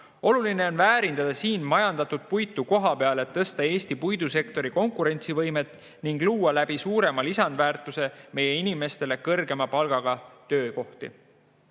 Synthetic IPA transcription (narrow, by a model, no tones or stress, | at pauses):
o̞luline̞o̞nvæːɾind̪̥ɑd̪̥ɑsiːnmɑjɑnd̪ɑt̪ud̪̥̚pujt̪ːˑuko̞ɦɑpeɑleet̪ːɤst̪ɑe̞ːst̪ipujd̪̥use̞kt̪o̞ɾiko̞ŋkˑuɾe̞nʲt̪sivɤ̞jme̞t̪ːˑ | niŋɡ̥luːɑlæb̥isuːɾe̞mɑlisɑnd̪væːrt̪ːˑuse̞me̞jːe̞inime̞st̪e̞le̞kɤrɡe̞mɑpɑlɡ̥ɑɡ̥ɑt̪ø̞ːko̞ht̪ḭ